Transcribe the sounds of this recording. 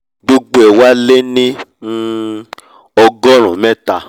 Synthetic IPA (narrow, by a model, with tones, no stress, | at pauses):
ɡ͡bo˦ɡ͡bo˦ɛ˨wa˦le˦nĩ˦ | ɔ˧ɡɔ˦ɾ̃ũ˨mɛ̃˦ta˧˨